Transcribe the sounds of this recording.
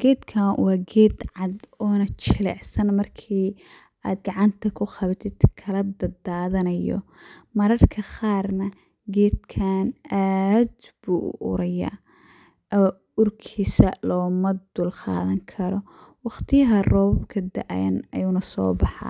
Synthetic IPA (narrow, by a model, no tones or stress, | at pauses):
ɡ̥ɛːd̪kʰawɑːɡɛːd̪ʕɑd̪ɔːnɐt͡ʃʰɪlɛ̰ʕsɐnmɐrkʰiː | aːd̪ɡɑʕɑnt̪ʰɐkʰʊχɑβɐt̪ʰɪd̪kʰɐlɐd̪ɐd̪aːðɐnɐjɔ̰mɐɾɐrkʰɐχɑːrnɐ | ɡɛːd̪̚kʰaːnaːd̪b̥uːʔʊ̰ʔʊ̰ɾɐjɐ̰ | ɔː | ʊrkʰiːsɐlɔːmɐd̪ʊlqɑ̰ːðɐŋkʰɐɾɔ | wɑχt̪ʰɪjɐɦɐrɔːbkʰɐd̪ɐʔjɐnɐjuːnɐsɔ̰ːbɑħɑ̰